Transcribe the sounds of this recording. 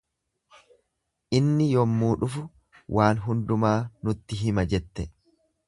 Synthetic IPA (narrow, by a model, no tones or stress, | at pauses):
ʔɪnːɪjɔmːuːᶑʊfʊ | wʔaːnɦʊnd̪ʊmaːnʊt̪ːɪɦɪmɐd͡ʒɛt̪ːɛ